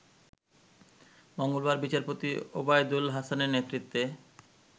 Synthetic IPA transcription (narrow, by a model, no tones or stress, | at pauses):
moŋɡolbaɾbit͡ɕaɾpot̪iobajd̪ulɦasaneɾnet̪ɾit̪ːe